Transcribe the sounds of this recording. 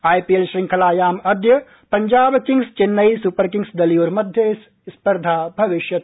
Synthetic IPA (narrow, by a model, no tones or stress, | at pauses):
aːjpielʃɾĩŋkʰɐlaːjaːmɐd̪jɐ | pɐɲd͡ʒaːbkiŋɡst͡ʃɪnːɐjsupəɾkĩŋɡsd̪ɐliuːɾmɐd̪ʱjəs | spɐɾd̪ʱaːbʱɐʋɪʃjɐt̪